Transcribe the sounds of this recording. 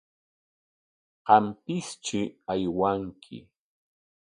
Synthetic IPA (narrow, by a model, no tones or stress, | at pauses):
ɢɑmpɪst͡ʃɪajwaŋkʰɪ̰